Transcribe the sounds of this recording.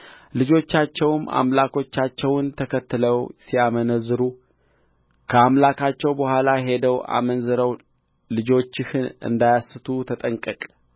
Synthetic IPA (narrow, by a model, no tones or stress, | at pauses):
lɨd͡ʒo̞t͡ʃːat͡ʃːɛwma̰mlakʰo̞t͡ʃːat͡ʃːɛwnt̪ʰəkʰət̪ːɨləwsijamənəzɨɾu | kʰəamlakʰat͡ʃːɛwbəhʷalajɦe̞d̪əwa̰mənzɨɾəw | lɨd͡ʒo̞t͡ʃːɪhɨnɨ̰nd̪ajasɨt̪ʰut̪ʰət̪ʼəŋkʼəkʼ